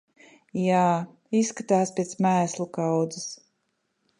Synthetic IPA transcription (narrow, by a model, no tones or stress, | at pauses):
jaː | isːkat̪aːspʲɛt̪smæːslˠukawd̪zɨs